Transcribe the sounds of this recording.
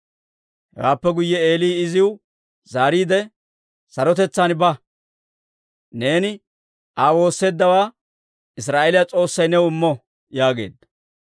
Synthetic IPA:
hɛ̰waːpːɛɡʊjːɛeːliːɪzɪw | zaːɾiːd̪ɛ | sɐɾɔt̪ɛt͡sːanbɐ | ne̞ːnɪ | ʔaːwo̞ːsːe̞ːd̪ːɐwaː | ɪs̬ɾaːʔelɪjat͡sʼo̞ːsːɐjnɛwɪmːɔ | jaːɡe̞̰ːd̪ɐ

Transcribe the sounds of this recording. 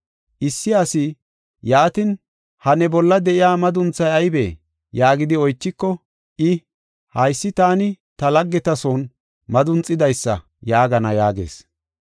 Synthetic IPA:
ʔɪsːɪɐsɪ | jaːt̪ɪn | hɐnɛbɔlːɐd̪ɛʔɪjaːmɐd̪ʊnt͡sːɐjɐjbeː | jaːɡɪd̪ɪɔjt͡ʃːɪkːɔ | ʔɪ | hɐjsːɪt̪aːnɪ | t̪ɐlɐɡːɛt̪ɐsoːn | mɐd̪ʊnt͡sʼːɪd̪ɐjsːɐ̰ | jaːɡɐnɐjaːɡḛːs

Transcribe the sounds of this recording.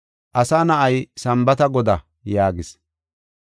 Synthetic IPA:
ʔɐsanɐʔɐjsɐmbɐt̪ɐɡɔd̪ɐ | jaːɡɪs

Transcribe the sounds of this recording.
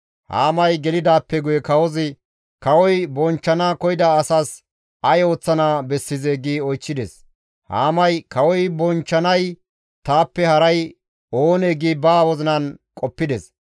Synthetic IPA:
ha̰ːmɐjɡɛlɪd̪aːpːɛɡʊjɛkɐwɔzɪ | kɐwɔjbɔnt͡ʃːɐnaːkɔjɪd̪aːsaːs | ɐjo̞ːt͡sːɐnaːbɛsːɪzeːɡiːɔjt͡ʃːɪd̪ɛs | ha̰ːmɐjkɐwɔjbɔnt͡ʃːɐnɐj | t̪aːpːɛhɐɾɐj | oːneːɡiːbaːwɔzɪnɐnkʼɔpːɪd̪ɛs

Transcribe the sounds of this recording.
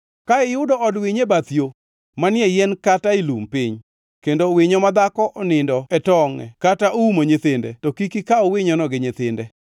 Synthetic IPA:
kaɪjʊdɔɔdwɪɲebat̪jo | manjɛjɛnkatailumpɪɲ | kendowɪɲɔmad̪akɔʔɔnɪndɔɛtɔŋɛ̰kataʔoumoɲɪt̪ɪndɛ̰tɔkikikaowɪɲɔnɔɡɪɲɪt̪ɪndɛ

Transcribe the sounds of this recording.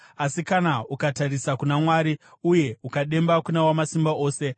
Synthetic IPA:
asikanaukataɾisakunamwaːɾi | uje̞ukaɗe̞mbakunawamasimbaʔo̞ːse̞

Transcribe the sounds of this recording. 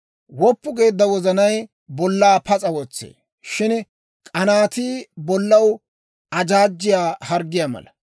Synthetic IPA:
wɔpːʊɡe̞ːd̪ːɐwɔzɐnɐj | bɔlːaːpɐt͡sʼɐwɔt͡sːḛː | ʃɪn | kʼɐnaːt̪iːbɔlːɐw | ɐd͡ʒaːd͡ʒːɪjaːhɐɾɡɪjaːmɐ̰lɐ

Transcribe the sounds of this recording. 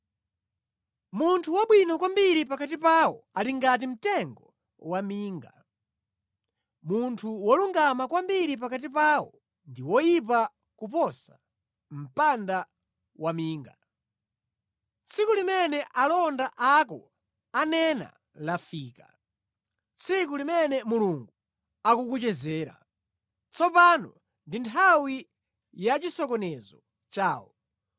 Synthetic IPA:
muntʰuwɔɓwinɔkwambiɾipakatipawɔaliŋɡat̬im̩tɛŋɡɔ | wamiːŋɡa | muntʰuwɔluŋɡamakwambiɾip̬akat̬ipaːwɔ̰ | ndiwɔjip̬a | kup̬ɔsa | m̩panda | wamiːŋɡa | t͡sʰikulimɛnɛʔalɔndaʔakɔ̰ | anɛna̰ | lafiːka̰ | t͡sʰik̬ulimɛnɛmuluŋɡu | akukut͡ʃɛzɛːɾa̰ | t͡sɔpanɔ | ndintʰawi | jat͡ʃisɔkɔnɛzɔ | t͡ʃaːwɔ̰

